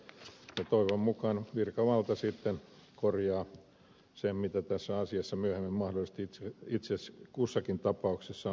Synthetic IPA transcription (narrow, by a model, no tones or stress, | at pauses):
jɑt̪oiʋommukɑnʋirkɑʋɑlt̪ɑsit̪ːenkorjɑː | semmit̪æt̪æsːæɑsiɑsːɑmyøhemːæmmɑhdolist̪it̪seit̪seskusːɑkint̪ɑpɑuksesːɑ